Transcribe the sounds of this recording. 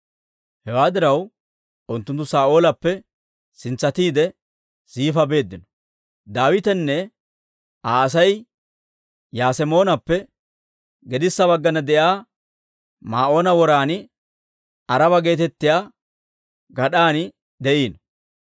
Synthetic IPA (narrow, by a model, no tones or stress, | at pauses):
hɛwaːd̪ɪɾɐw | ʔʊnt̪ːʊnt̪ːʊsaːʔo̞ːlɐpːɛ | sɪnt͡sːɐt̪iːd̪ɛ | siːfɐbe̞ːd̪ːɪnɔ̥ | d̪aːwɪt̪ɛnːɛ | ʔaːɐs̬ɐj | jaːsɛmo̞ːnɐpːɛ | ɡɛd̪ɪsːɐβɐɡːɐnɐd̪ɛʔjaː | maːʔo̞ːnɐwɔɾaːnɪ | ɐɾɐbɐɡe̞ːt̪ɛt̪ːɪjaː | ɡɐɗaːnɪ | d̪ɛʔiːnɔ